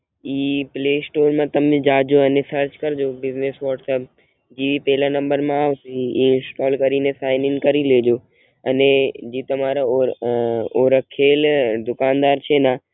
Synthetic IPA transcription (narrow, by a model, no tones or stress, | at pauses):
iːpleːsʈoːɾmãt̪ɐmd͡ʑd͡ʑaːd͡ʑoːɐnẽsɐɾt͡ɕkɐɾɪd͡ʑoːbɪzneːsʋɔːʈsɐp̚ | d͡ʑiːʋipɛɦɪlãnɐ̃mbəɾmãaːsiiɪ̃nsʈɔːlkɐɾinesaːɪnɪ̃ŋkɐɾileːd͡ʑoː | ɐned͡ʑiːt̪ɐm̤aːɾ | oːɾəkʰːeːld̪ʊkaːnd̪aːɾt͡ɕʰeːnaː